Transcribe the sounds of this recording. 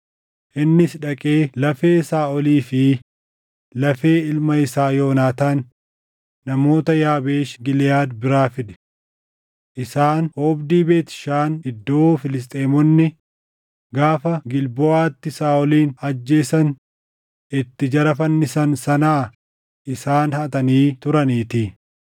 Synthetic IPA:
ʔɪnːɪsᶑɐkʼeːlɐfe̞ːsaːʔɔliːfɪ | lɐfe̞ːɪlmɐɪsaːjo̞ːnaːt̪aːnː | ɐmo̞ːt̪ɐjaːbeːʃɡɪlɪjaːd̪bɪɾaːfɪd̪ɛ̥ | ʔɪsaːnhoːbd̪iːbe̞ːt̪ɪ̥ʃaːnɪd̪ːoːfɪlɪs̬t̪ʼeːmɔnːɪ | ɡaːfɐɡɪlbɔaːt̪ːɪsaːʔɔliːnɐd͡ʒːe̞ːsɐn | ɪt̪ːɪd͡ʒɐɾɐfɐnːɪsɐnsɐnaː | ʔɪsaːnhɐt̪ɐniːt̪ʊɾɐniːt̪i

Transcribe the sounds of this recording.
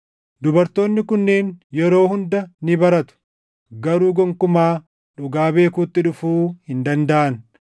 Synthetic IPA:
d̪ʊbɐɾt̪o̞ːnːɪkʊnːeːnjɛɾo̞ːhʊnd̪ɐnɪbɐɾɐt̪ʊ̥ | ɡɐɾuːɡɔŋkʊmaː | ᶑʊɡaːbe̞ːkuːt̪ːɪᶑʊfuːhɪnd̪ɐnd̪ɐʔɐn

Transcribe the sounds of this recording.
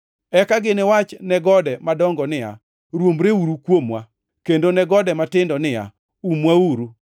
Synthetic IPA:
ɛkaɡɪnɪwat͡ʃnɛɡɔdɛmadɔŋɡɔnɪa̰ | ɾwomɾeuɾukwomwa | kendonɛɡɔdɛmatɪndɔnɪja̰ | umwauɾu

